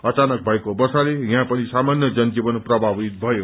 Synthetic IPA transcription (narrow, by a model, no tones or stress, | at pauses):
ʌt͡sanʌk̚bʱʌekobʌsalejãpʌnisamanjʌd͡zʌnd͡ʒibʌnprʌbʱabit̪̚bʱʌjo